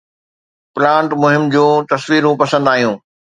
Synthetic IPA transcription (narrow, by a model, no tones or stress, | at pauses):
plãːɳʈmʊɦɪmd͡ʑũːt̪ɐsʋiːɾũpɐsə̃nd̪aːɦijũː